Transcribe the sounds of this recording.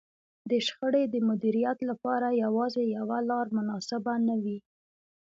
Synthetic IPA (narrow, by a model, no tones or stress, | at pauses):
d̪əʃxəɽed̪əmʊd̪iɾijat̪lapɑɾajawɑzejawalɑɾmʊnɑsɪbanawi